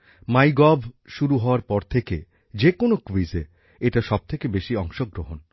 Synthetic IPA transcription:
majɡɔbʱʃuɾuɦɔoaɾpɔɾt̪ʰeke | d͡ʑekonokuize | eʈaʃɔb̚t̪ʰekebeʃiɔŋʃoɡɾoɦon

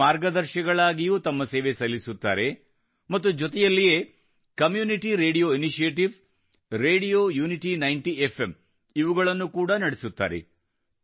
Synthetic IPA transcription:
aːɾɡɐd̪ɐɾʃɐɡɐɭaːɡijut̪ɐmːɐseːʋesɐlːisut̪ːa̰ːɾe̞ | mɐt̪ːud͡ʒɔt̪ɛjɐlːije̞ː | kɐmjuːniʈiɾe̞ːɽijo̞ːiniʃijeːʈiʋ | ɾe̞ːɽijoːjuːniʈinɐjɳʈiefʰe̞m | iʋuɡɐɭɐnːukuːɽɐnɐɽesut̪ːa̰ːɾḛ

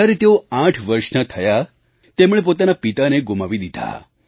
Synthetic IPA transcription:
aɾet̪eoãʈʰʋəɾʃnət̪ʰəja | t̪emɽ̃ẽpot̪anapit̪aneɡumaʋid̪id̪ʱa̰

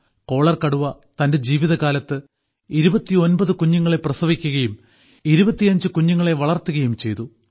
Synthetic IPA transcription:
ko̞ːɭɐrkɐɽuʋɐt̪ɐnde̞d͡ʑiːʋiðɐɣaːlɐt̪ːɨ | iɾubɐt̪ːio̞nbɐðɨkuɲːuŋːɐɭe̞prɐsɐʋikʲːuɣɐjum | iɾubɐt̪ːijɐɲd͡ʑɨkuɲːuŋːɐɭe̞ʋɐɭɐrt̪ːuɣɐjumt͡ɕe̞jt̪u

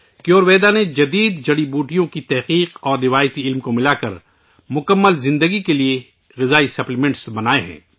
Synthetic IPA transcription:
kjoːɾʋeːd̪aned͡ʒɐd̪iːd̪d͡ʒɐɽibuːʈijõkit̪ɛɦqiːqɔːɾːɪʋaːjət̪iɪlmkomɪlaːkɐ̰ɾ | mʊkəmːəlzɪ̃nd̪əɡikelie | ɣɪzaːisɐplɪmɛ̃ɳʈsbɐnaːeɦɛ̰̃ː

